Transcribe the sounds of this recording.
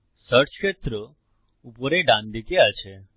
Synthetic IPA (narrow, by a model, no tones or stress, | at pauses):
səʈʃʰet̪ɾə | upəɾeɖãnd̪ik̪iat͡ʃʰe